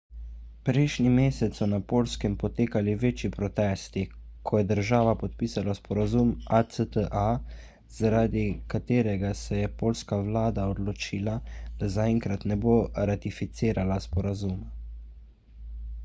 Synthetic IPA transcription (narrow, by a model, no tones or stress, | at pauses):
pɾɛjʃnimeːsɛt̪sɔnapoːlskɛmpɔt̪eːkaliʋeːt͡ʃipɾɔt̪ɛːst̪ikʰɔjɛd̪əɾʒaːʋapɔt̪̚piːsalaspɔɾazumasət̪əʔa | z̥aɾaːd̪ikat̪eːɾɛɡasɛjɛpoːlskaʋlaːd̪aɔd̪lɔt͡ʃiːlad̪̥azaɛŋkɾat̪nɛboːɾat̪ifit̪siːɾalaspɔɾazuma